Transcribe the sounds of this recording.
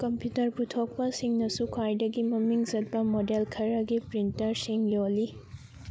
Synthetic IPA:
kɐmpjutɐɾputʰok̚pɐsiŋnɐsukʰwajdɐɡimɐmiŋzɐt̚pɐmodelkʰɐɾɐɡipɾintɐɾsiŋjolːi

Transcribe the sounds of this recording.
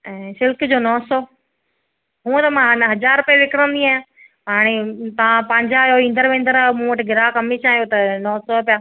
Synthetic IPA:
ɛ̃ːsɪlkd͡ʑoːnɔːsɔː | ɦũːt̪ɐmãɦnɦɐd͡ʑaːɾʊpeʋɪkɪɾə̃nd̪iaːjãː | ɦaːɽ̃et̪ɐʋãpɐ̃ːɲd͡ʑajoĩːnd̪əɾʋẽːnd̪əɾamũːʋɐʈɪɡɪɾakɐmiʃãːɦijot̪ɐnɔːsɔpijaː

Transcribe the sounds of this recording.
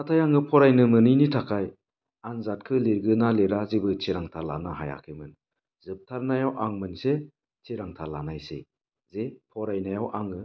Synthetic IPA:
natʰajaŋɯpʰɔɾajnɯmɯninitʰakʰaj | anzat̚kʰɯliɾɡɯnaleɾazibɯt͡ʃʰeɾaŋtʰaɾla̰naɦaja̰kʰɯmɯn | zɯp̚tʰaɾnajawʔaŋmɯnse | t͡ʃʰeɾaŋtʰalanajsḛ | zepʰɔɾajnajawʔaŋɯ

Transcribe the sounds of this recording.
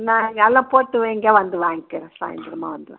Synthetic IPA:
nãːɛŋɡɐɛlːãːpoːʈːɯʋeːŋɡeːʋɐnd̪ɯʋaːŋɡikɪɾẽsa̰ːjɪ̰nd̪ɾɐma̰ːʋɐnd̪ɯʋɛ̰̃ː

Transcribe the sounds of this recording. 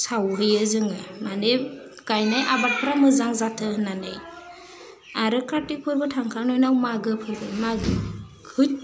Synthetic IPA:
sawɦɯjɯzɯŋɯmane | ɡajnajʔabat̚pʰɯɾamɯzaŋzatʰɯɦnanɯj | aɾɯkʰatipʰɯɾbɯtʰaŋkʰaɾnɔjnawmaɡɯpʰɯɾbɯmaɡɯ | ɯ

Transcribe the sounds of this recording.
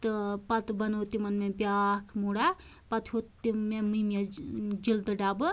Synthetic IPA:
t̪ɨpɐt̪bɐnot̪imɐnmẽbjakʰmuɽa | pɐt̪ʰhot̪imemɨmed͡ʒild̪ɨɖaːbɨ

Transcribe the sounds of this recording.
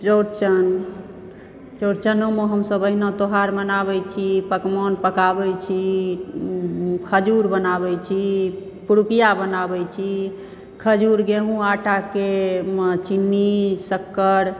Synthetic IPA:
t͡ʃoɾt͡ʃən | t͡ʃoɾt͡ʃənomeɦəmsəbəɦinot̪oɦaɾmənabɛjt͡ʃʰipəkmɔnpəkabɛt͡ʃʰi | kʰəd͡ʒuɾbənabɛjt͡ʃʰi | puɾukijabənabɛjt͡ʃʰi | kʰəd͡ʒuɾɡeɦũaʈʰake | t͡ʃinːisəkːəɾ

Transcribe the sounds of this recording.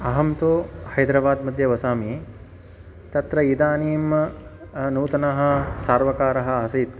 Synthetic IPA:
ɐɦɐmt̪oːhɐjd̪ɾɐbaːd̪mɐd̪ʱjɐʋɐsaːmieː | t̪ɐt̪ɾɐid̪aːniːm | nuːt̪ɐnɐɦɐ̆saːɾʋɐkaːɾɐɦɐ̆ɐsiːt̪

